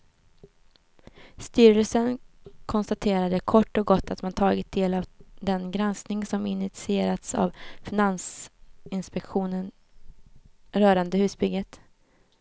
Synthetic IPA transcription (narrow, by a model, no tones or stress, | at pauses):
st̪yːɾəlsənkʰɔnst̪at̪ʰeːɾad̪əkʰɔʈːɔɡɔt̪ːat̪mant̪ʰɑːɡɪt̪̚d̪eːlavd̪ɛnɡɾansnɪŋsɔmɪnɪt̪sɪeːɾat̪sa̰vfɪnansɪnspɛkɧuːnən | ɾœːɾand̪əhʉsbʏɡət̪